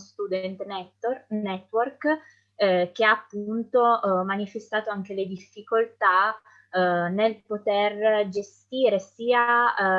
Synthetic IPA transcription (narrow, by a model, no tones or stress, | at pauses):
st̪ud̪ɛnt̪ɛnɛt̪ːwork | k̟eaːpːunt̪omanifest̪aːt̪oaŋk̟eled̪ifːikolt̪a | nelpot̪erd͡ʒest̪iːɾesiːa